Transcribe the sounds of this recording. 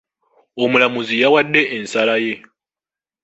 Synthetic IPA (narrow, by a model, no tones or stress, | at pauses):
omulamuzijawadːeʔːnsalaje